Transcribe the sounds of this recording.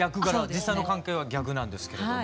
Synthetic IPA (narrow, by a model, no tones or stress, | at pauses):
akɯ̟ɡaɾad͡ʑisːaĩnokãŋke̞ːβ̞aɡʲakɯ̟nãnd̪e̞sɨ̥ke̞ɾedo